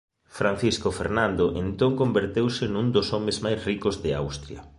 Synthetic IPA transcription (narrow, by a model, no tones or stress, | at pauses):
fɾan̟θiskofḛɾnãnd̪oʔent̪oŋkombeɾt̪ewsɪnũŋd̪osɔmezmajsrikozðea̰wst̪ɾjɐ̰